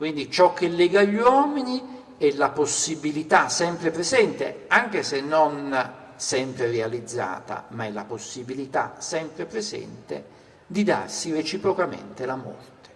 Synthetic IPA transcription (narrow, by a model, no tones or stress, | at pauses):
kwind̪it͡ʃɔkːelːɛːɡaʎːwɔːmini | ɛlaposːibilit̪asɛmpɾepɾezɛnt̪ḛaŋk̟esenːon | sɛmpɾerealid̪zːa̰ːt̪a̰maɛlːa̰posːibilit̪a̰sɛmpɾepɾezɛ̰nt̪ḛ | d̪id̪a̰rsiret͡ʃipɾokamḛnt̪elamɔ̰rt̪e̥